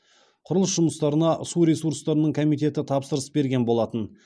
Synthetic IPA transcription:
qʰʊɾəlˠəsʒʊməst̪ɑɾənɑʔsuɾe̞suɾst̪ɑɾənəɴkʰomijt̪̬e̞t̪ɪt̪ʰɑpsəɾəsbe̞ɾɡʲe̞nbo̞lˠɑt̪ən

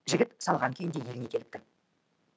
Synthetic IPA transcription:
ʒɪɡʲɪt̪sɑlˠʁɑŋkʲʰejɪnd̪e̞jelɪne̞kʲʰe̞lɪp̚t̪ɪ

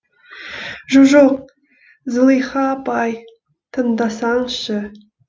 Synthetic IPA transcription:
ʒuʒoq̚ | zəlˠijχɑpɑj | t̪ʰənd̪ɑsɑɴʃə

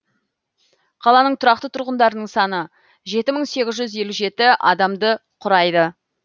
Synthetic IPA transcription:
qʰɑlˠɑnəɴt̪ʰʊɾɑq̚t̪ət̪ʰʊɾʁənd̪ɑɾənəɴsɑnə | ʒe̞t̪ɪməɴse̞ɡʲɪzʒʏze̞luʒe̞t̪ɪʔɑd̪ɑmd̪əqʰʊɾɑjd̪ə

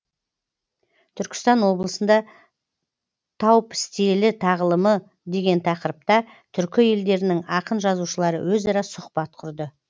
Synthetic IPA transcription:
t̪ʰʏɾkʲɪ̥st̪ɑnwo̞blˠəsənd̪ɑ | t̪ʰɑwpɪ̥st̪e̞lɪt̪ʰɑʁlˠəmə | d̪e̞ɡʲe̞nt̪ʰɑqəɾəp̚t̪ɑ | t̪ʰʏɾkʲɪje̞ld̪e̞ɾɪnɪŋɑqənʒɑzuʃəlˠɑɾə̰wɵzɑɾɑsʊqpɑt̪̚qʰʊɾd̪ə

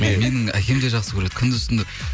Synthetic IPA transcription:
me̞nɪŋæ̰kʲʰe̞md̪e̞ʒɑqsəkʲʰɵɾe̞d̪̥ɪkʲʰʏnd̪ɪt̪ɪnd̪ɪ

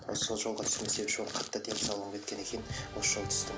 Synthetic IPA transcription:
b̥ɾɑ̰ssːo̞lˠʒo̞lˠʁɑt̪ʰʏ̥sɪmesepʃoɾqʰɑt̪ːɑd̪emsɑlˠʁəɴkʲʰet̪kʲe̞ne̞kʲʰe̞nɪnwosəʒolˠt̪ʰʏ̥st̪ɪ

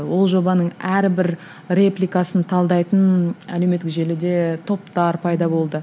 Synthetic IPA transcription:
wo̞lˠʒo̞bɑnəɴæɾbɪɾ | re̞plʲijkasənt̪ʰɑlˠd̪ɑjt̪ənæ̰le̞wmet̪ːɪkʒe̞lɪd̪e̞t̪ʰo̞pt̪ɑɾpʰɑjd̪ɑbo̞lˠd̪ə

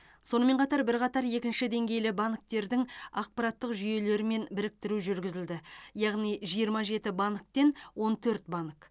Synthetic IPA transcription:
so̞nəme̞ɴqʰɑt̪ɑɾbɪɾqɑt̪ɑɾje̞kʲɪnʃɪd̪e̞ŋɡʲe̞jlɪbɑnək̚t̪e̞ɾd̪ɪŋɑq̚pɑɾɑt̪ːəqʒʏje̞le̞ɾɪme̞nbɪɾɪk̚t̪ɪɾuʒʏɾɡʲɪzɪld̪ɪjɑʁnijʒijəɾmɑʒe̞t̪ɪbɑnək̚t̪e̞nwo̞nt̪ʰɵɾt̪̚bɑnək

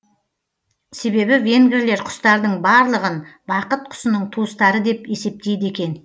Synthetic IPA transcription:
se̞βe̞bɪve̞ŋɡʲeɾle̞ɾqʰʊ̥st̪ɑɾd̪əɴbɑɾlˠəʁənbɑqət̪̚qʰʊ̥sənəɴt̪ʰust̪ɑɾəd̪e̞pe̞se̞p̚t̪e̞jd̪e̞kʲe̞n

